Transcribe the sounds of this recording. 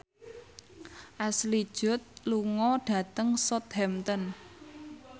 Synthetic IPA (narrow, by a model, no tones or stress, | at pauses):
ʔaslid̥ʒ̥ʊ̤t̪̚luŋɔɖ̥ä̤t̪əŋsɔt̪̚hɛmt̪ən